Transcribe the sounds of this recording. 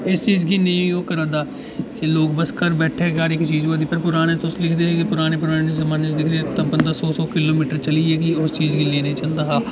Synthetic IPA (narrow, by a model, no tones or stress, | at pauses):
ɪst͡ʃiːzɡiːnẽoːkəɾə̃d̪aː | keloːk̚bəskəɾbɛːʈʰeːɡaːɾɪkt͡ʃiːzoːd̪iːpəɾpʊɾaːneːt̪ʊslɪkʰd̪eːɛkipʊɾaːneːpʊɾaːnezəmaːnet͡ʃd̪ɪkʰd̪eɛt̪əbənd̪aːsɔːsɔːkɪloːmiːʈəɾt͡ʃəliːɛːkɪʊst͡ʃiːzɡiːleːneːt͡ʃə̃nd̪aːɦaː